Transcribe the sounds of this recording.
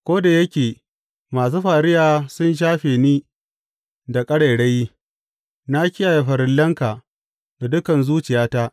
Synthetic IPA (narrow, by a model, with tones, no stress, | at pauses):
kʷoː˦da˨jɐ˦kʲeː˨ | maː˨s̬uː˦ɸaː˨ɽɪ˦jaː˨sʊ˦nʃ̬aː˦ɸeː˨niː˦ | da˨kʼɐ˦ɽe˨jɽɐ˦ji˦ | na˦kʲɪ˦jaː˨ja˨ɸɐ˨ɾɪ˨lːɐ˦ŋka˨ | da˨dʊ˦kɐ˨nzuː˦t͡ʃɪ˨jaː˦ta˦ʔ